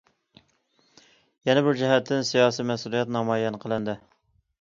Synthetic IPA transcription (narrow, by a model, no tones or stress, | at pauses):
jɛnɛbɪɾd͡ʒɛɦɛt̪ʰːɪnsijɑːsijmɛsulˠijɛt̪nɑmɑjɛnqʰəlˠɨnd̪ɪ